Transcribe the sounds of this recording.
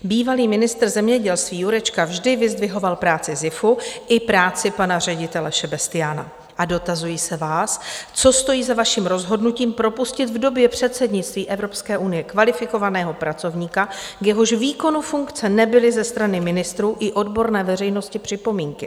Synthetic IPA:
biːvaliːmɪnɪst̪r̩zɛmɲɛɟɛlst̪viːjuɾɛt͡ʃkavʒdɪvɪzdvɪɦo̞valpɾaːt͡sɪzɪfuʔɪpɾaːt͡sɪpanar̝ɛɟɪt̪ɛlɛʃɛbɛst̪ɪjaːna̰ | ʔado̞t̪azujiːsɛvaːst͡so̞st̪o̞jiːzavaʃiːmɾo̞zɦo̞dnuciːmpɾo̞puscɪt̪vdo̞bjɛpr̝̥ɛt̪sɛdɲɪt͡st̪viːʔɛvɾo̞pskɛːʔunɪjɛkvalɪfɪko̞vanɛːɦo̞pɾat͡so̞vɲiːkakjɛɦo̞ʃviːko̞nufuŋkt͡sɛnɛbɪlɪzɛst̪ɾanɪmɪnɪst̪ɾuːʔɪʔo̞dbo̞ɾnɛːvɛr̝ɛjno̞scɪpr̥ɪpo̞miːŋkɪ

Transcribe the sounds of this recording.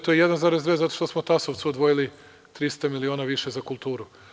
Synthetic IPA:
t̪ojejed̪anzaːɾezd̪ʋeːzat̪o̞ʃt̪osmot̪asoʋt̪suod̪ʋo̞jili | t̪ɾist̪amilio̞ːnaʋiʃezakulˠt̪uːɾu

